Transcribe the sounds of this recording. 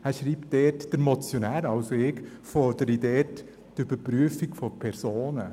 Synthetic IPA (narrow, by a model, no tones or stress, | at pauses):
æːɾʃɾiːptd̥ɛːtd̥əɾmɔt͡sjonæːɾɑʊsoɪkfɔɾd̥əɾidɛːt | tʏb̥əɾpɾyəfikfopʰɛɾsoːnə